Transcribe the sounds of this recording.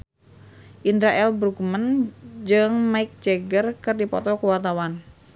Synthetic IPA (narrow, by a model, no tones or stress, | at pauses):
ʔindɾaʔɛlbɾukmənd͡ʒɨŋmaik̚d͡ʒeɡərkɨrdipɔ̰t̪ɔkuwart̪awan